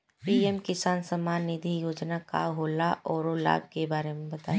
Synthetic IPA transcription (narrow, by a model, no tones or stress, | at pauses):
piɛmkɪsaːnsəmaːnːɪd̪ʱijoːd͡ʒnaka̰ɦoːlaʔɔːɾola̰ːb̚ʱkebaːɾemẽbɐt̪aː